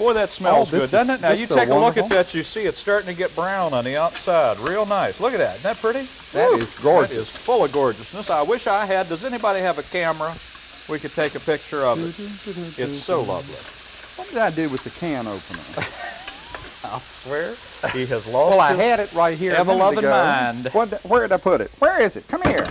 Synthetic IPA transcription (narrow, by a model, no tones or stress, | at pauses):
fə˞ðɨtsmɛlˠzʊddʌ̃nɨtⁿnaʊjɨtʰeɪəlʊkɨt̚ðɨt͡ʃɨsiɨtstɑɹɾɪ̃ŋtʰɨɡɛt̚b̥ɹãʊ̃nə̃nðiɑtsaɪd̚ɹilˠnaɪslʊkɨt̪̚ðɨ̰tn̩ðɨt̚pʰɹ̥ɪɾi | ɪzɡɔɹd͡ʒɪz̥fʊlˠəʌvɡɔɹd͡ʒɨsnəsaɪwɪʃaɪɨdʌzɛñibɑɾiɨvɨkʰæmə | wikɨd̚tʰeɪkɨpɪk̚t͡ʃə˞ʌv | ɪsoʊlʌ̰vlḭ | wʌt̚d̥ɨɾaɪdɨwɨðɨkʰæ̃no̰ʊpə̃nə̰̃˞ | aɪlˠswɛɹ | hiɨzlɔɛlˠaɪɨɾɨt̚ɹaɪt̚ɦiɹɨvəlʌvvɪ̃mãɪ̃nwʌt̚wə˞dɨɾaɪpʰʊɾɪ̰t̚wə˞ɪzɨt̚kʰʌ̃miɹ